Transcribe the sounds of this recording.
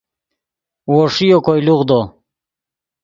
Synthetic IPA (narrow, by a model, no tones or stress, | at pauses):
woʂijokojluʁd̪o